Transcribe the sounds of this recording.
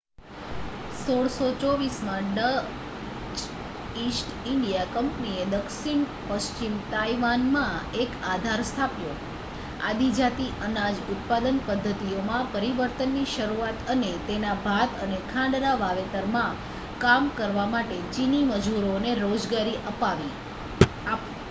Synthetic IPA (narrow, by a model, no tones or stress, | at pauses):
soɽsot͡ʃoʋismãɖə | t͡ʃ | isʈɪɳɖijakəmpənied̪əkʃiɳ | pəst͡ʃimt̪aiʋanmãekad̪ʱaɾst̪ʰapjo | ad̪id͡ʒat̪iʔənad͡ʒʊt̪̚pad̪ənpəd̪ʱːət̪iomãpəɾiʋəɾt̪ənːiʃəɾuat̪ənet̪enabʱat̪ənekʰãɳɖɾaʋaʋet̪əɾmã | kamkəɾʋamaʈet͡ʃiniməd͡ʒuɾoneɾod͡ʒɡaɾiʔəpaʋi